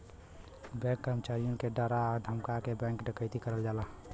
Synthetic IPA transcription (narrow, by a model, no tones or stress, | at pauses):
bɛ̃kːəɾmət͡ʃaɾijõkeɖəɾad̪ʱəmkakebɛ̃ŋkɖəkəɪt̪ikəɾəld͡ʒaːla